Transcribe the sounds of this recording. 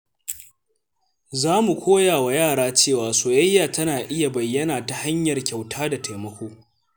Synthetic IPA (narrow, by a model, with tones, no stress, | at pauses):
zaː˦mu˨kʷoː˦jaː˨wa˨jaː˦˨ɽaː˦t͡ʃeː˦˨waː˨soː˨jɐ˦jːaː˨tɐ˦naː˨ʔɪ˦ja˨bɐ˨jːɐ˦naː˨ta˨ha˦ɲjɐ˨rkʲa˨wtʰaː˦da˨tʰa˨jmɐ˦kʷoː˦